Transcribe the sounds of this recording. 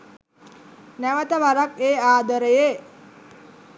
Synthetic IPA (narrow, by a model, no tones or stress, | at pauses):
næʋət̪əʋaɾakeːaːd̪oɾeje